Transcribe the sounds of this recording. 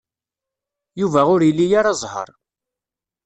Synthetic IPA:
juvæʊɾjəlːijaɾɑzˤhə̰ɾˤ

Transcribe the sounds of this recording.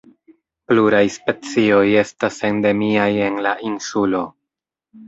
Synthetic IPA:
pluɾajspe̞t͡sio̞je̞stase̞nde̞miaje̞nlaʔinsulo̞

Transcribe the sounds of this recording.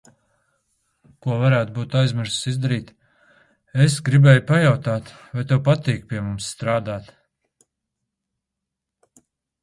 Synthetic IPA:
kuɔvaɾæːt̪̚buːt̪ajzmɪɾssizd̪aɾiːt̪ | esɡɾibɛːjpajawt̪aːt̪vajt̪ɛwpat̪iːk̚pʲiɛmumsːt̪ɾaːd̪aːt̪

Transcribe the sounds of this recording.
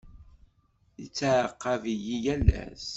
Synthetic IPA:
it͡sːəʕəqːɑvijijælːæ̰s

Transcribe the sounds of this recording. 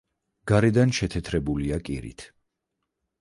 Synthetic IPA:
ɡ̥aɾɛd̪anʃɛt̪ʰɛt̪ʰɾɛbuliakʼḭɾḭt̪ʰ

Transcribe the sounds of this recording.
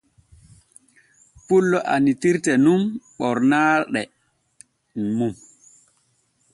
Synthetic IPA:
pulːɔʔanitiɾtɛnumɓɔɾnaɗɛ | mum

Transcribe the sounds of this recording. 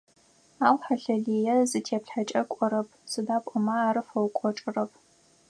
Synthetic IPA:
aːwħaɬɐɮiːjɛzɨtʰeːpɬħat͡ʃʼɐkʷʼɔɾɐp̚ʰsɨdaːpʷʼɔmɐaːɾɨfɐwkʷʼɔʈ͡ʂʼɨrɐp̚ʰ

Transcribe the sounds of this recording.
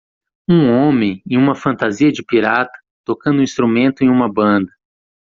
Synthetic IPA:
ũõmẽj̃ẽj̃ũmɐfɐ̃nt̪aziɐd͡ʒɪpiɾat̪ɐ̥t̪okɐ̃nd̪ʊĩst̪ɾumẽnt̪ʊẽj̃ũmɐbɐ̃nd̪ɐ

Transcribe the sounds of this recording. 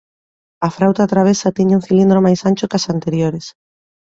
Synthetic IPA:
afɾawt̪at̪ɾaβ̞esat̪iɲuŋθilind̪ɾomajsant͡ʃokasant̪eɾjoɾes

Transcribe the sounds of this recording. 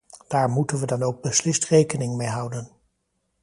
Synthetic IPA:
d̥aːɹmutənʋədɑnowɡ̚bəslɪstrejkənɪŋmejɦʌwdən

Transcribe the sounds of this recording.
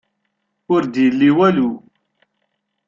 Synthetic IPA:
ʊɾd̪jəlːiwælu

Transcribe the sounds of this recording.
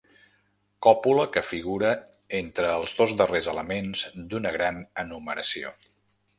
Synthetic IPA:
kɔpuləkəfiɣ̞uɾə | ent̪ɾəːlˠzðozd̪ərezələmenzd̪unəɣɾanənuməɾəsio̰

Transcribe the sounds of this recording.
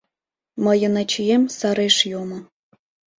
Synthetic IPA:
mɤ̆jɤ̆nɑt͡ɕijemʲsɑɾeʂjomɤ̆

